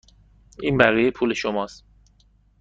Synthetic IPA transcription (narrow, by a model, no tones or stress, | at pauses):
inbæɣijepʰuːle̞ʃomɒːs